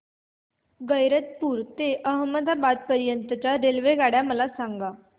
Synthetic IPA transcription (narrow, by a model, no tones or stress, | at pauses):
ɡəjɾət̪̚puːɾt̪eʔəɦməd̪ʱabad̪̚pəɾjənt̪ət͡ɕjaɾelʋeɡaɽjaməlasaŋɡa